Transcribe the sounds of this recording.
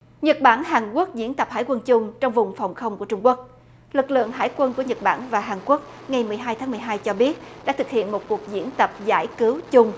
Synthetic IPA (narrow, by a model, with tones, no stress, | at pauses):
ɲə˨˩t̚ɓaː˧˩nɦaː˨˩nku˦˥ək̚zḭ˧˥ənt̪ə˨˩p̚ha̰ː˧˩jkwə˧nt͡ɕʊ˧ŋ͡mt͡ɕɔ˧wŋ͡mvʊ˨˩ŋ͡mfɔ˨˩wŋ͡mxə˧wŋ͡mku˧˩ət͡ɕʊ˧ŋ͡mku˦˥ək̚ | lɨ˨˩k̚lɨ̰˧˨əŋɦa̰ː˧˥jkwə˧nku˧˩əɲə˨˩t̚ɓaː˧˩nvaː˨˩ɦaː˨˩nku˦˥ək̚ŋa˨˩jmɨ˨˩əjɦaː˧jt̪ʰaː˨˦ŋmɨ˨˩əjɦaː˧jt͡ɕɔ˧ɓi˦˥ət̚ɗa̰ː˧˥t̪ɨ˨˩k̚hḭ˧˨ənmo˨˩t̚ku˨˩ək̚zḭ˧˩˥ənt̪ə˨˩p̚za̰ː˧˥˩jkɨ˨˦wt͡ɕʊ˧ŋ͡m